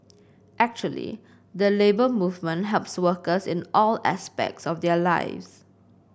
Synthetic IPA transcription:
ʔɛk̚t͡ʃuəlḭ | d̪əlebəmuvmə̃nɦɛlpswəkəsɪ̃nʔɔlæ̰spɛ̰k̚tsɔfdɛəla̰ɪvs

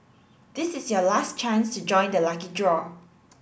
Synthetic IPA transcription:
d̥ɪsɪsjɔlast͡ʃãnstud͡ʒɔ̃ɪ̃ndəlakidɹɔ

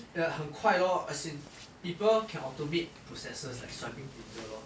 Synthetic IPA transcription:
əhə̃ŋkʰwajɔasĩn | pipəlkʰɛ̃nɔtomet̚pɹosɛsəslajkstɹajpĩŋpĩtəɔ

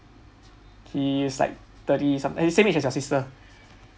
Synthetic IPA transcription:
hisla̰ɪk̚ | t̪ətisãdəsẽmet͡ʃɛsjɔsistə

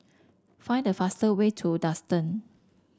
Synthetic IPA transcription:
fãɪ̃ndəfastəwetʰudastə̃n

